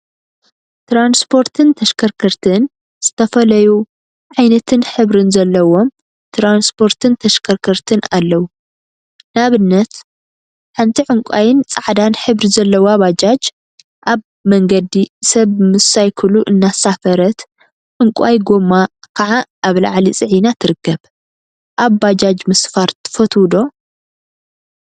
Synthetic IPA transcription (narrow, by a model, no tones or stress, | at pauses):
t̪ɾanspʰo̞ɾt̪ʰɨnt̪ʰɐʃkʰɐɾkʰɐɾt̪ʰɨn | z̥ɨt̪ʰɐfɐlɐju | ʕajnɐt̪ʰɨnħɨβɾɨnzɐlːɐwo̞m | t̪ʰɾanspʰo̞ɾt̪ʰɨnt̪ʰɐʃkʰɐɾkʰɐɾt̪ʰɨnalːɐwu | naβɨnːɐt̪ | ħant̪ʰiʕɨŋkʷʼajɪnt͡sʼaʕd̪anħɨβɾizɐlːɐwaβad͡ʒad͡ʒ | ʔaβ | mɐŋɡɐd̪isɐβmɨsajkʰɨluʔɨnːasafɐɾɐt̪ | ʕʊŋkʼajɡomːakʰɐʕaʔːβla̰ʕlit͡sʼɨʕinat̪ʰɨɾɨkːɐβ | ʔaβːad͡ʒad͡ʒmɨsfaɾt̪ʰɨ̥fɐt̪ʰwd̪o̞